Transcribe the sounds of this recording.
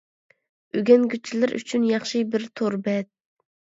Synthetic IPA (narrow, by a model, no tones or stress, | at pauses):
øɡʲɛnɡʲyt͡ʃʰːilɪɾʔy̰t͡ʃʰynjɑχʃɨbɪɾt̪ʰoɾbɛt̪̚